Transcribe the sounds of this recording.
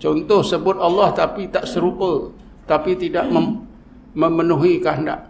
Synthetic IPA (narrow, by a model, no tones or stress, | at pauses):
t͡ʃɔnt̪ɔhsəbʊt̪̚ɑlːaht̪apit̪aʔsəɾupə | t̪apit̪idaʔməm | məmənuɦikanda̰ʔ